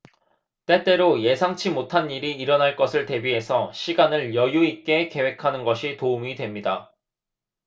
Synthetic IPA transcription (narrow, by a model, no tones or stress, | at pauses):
t͈e̞t͈e̞ɾoje̞sʰaŋt͡ɕʰimotʰaniɾiːɾʌnaɭk͈ʌsʰɯɭte̞biɦe̞sʰʌɕʰiɡanɯɭjʌjuik͈e̞ke̞we̞kʰanɯnɡʌɕʰitoumidwe̞mɲida